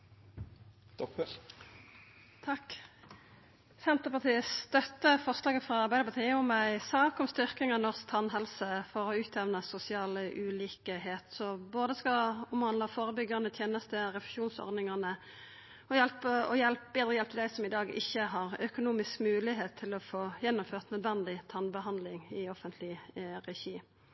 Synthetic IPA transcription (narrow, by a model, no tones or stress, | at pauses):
t̪ʰɑk | sɛnt̪əʁpɑʁt̪ʰiːəst̪œt̪ːəfɔʁslɑːɡəfʁɑɑʁbæɪd̪əpʰɑt̪ʰiːəɔmæɪsɑːkɔmst̪ʏʁkɪŋɑnɔʁsk̚t̪ʰɑnɦɛlsəfɔʁɔʉːt̪ʰɛʋnəsʊsɪɑːləʔʉːliːkəɦeːt̪sɔboːd̪əskɑɔmhɑnd̪ɑfoːɾəbʏɡːɑʁnət̪ʰjeːnəst̪əʁɛfə̥ʃuːnsɔ̰ʁd̪ɪŋɑnə | ɔjɛlpəɔ̰jɛlp̚beːd̪ʁəjɛlpt̪ʰɪd̪æɪsɔmɪd̪ɑːɡɪ̰çːəɦɑʁœkʊnuːmɪskmʉːlɪɦeːt̪ʰːɪlɔfoːjɛnːʊmføːʁt̪nœd̪ʋɛnd̪ɪt̪ʰɑnbəɦɑnd̪lɪŋɪɔfənt̪ʰlɪʁɛçiː